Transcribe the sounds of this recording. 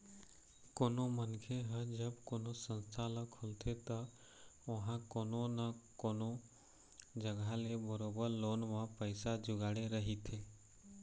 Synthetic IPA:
koːnomənkʰeɦəd͡ʒəbkoːnosə̃nst̪ʰaləkʰʊlt̪ʰet̪ə | ʋɐɦãkoːnõnəkoːno | d͡ʒəɡʱalebəɾoːbəɾloːnmãpəɪsad͡ʒʊɡaːɽeɾəɦit̪ʰeː

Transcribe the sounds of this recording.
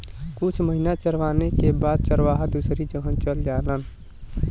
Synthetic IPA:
kʊt͡ʃʰməɦinat͡ʃəɾʋaːnekebaːd̪̚t͡ʃəɾʋaɦad̪usɾid͡ʒəɦə̃nt͡ʃəld͡ʒaːlən

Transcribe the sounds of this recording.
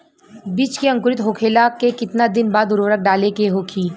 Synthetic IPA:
biːt͡ʃkiɐ̃ŋkʊɾɪt̪ɦoːkʰeːlakekɪt̪nad̪ɪnbaːd̪ʊɾʋəɾək̚ɖaːlekeɦoːkʰiː

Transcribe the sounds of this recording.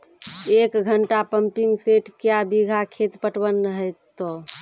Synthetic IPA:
ekɡʱəɳʈapəmpiŋɡseʈkjabiɡʱakʰet̪pəʈwənːɦəjt̪ːo

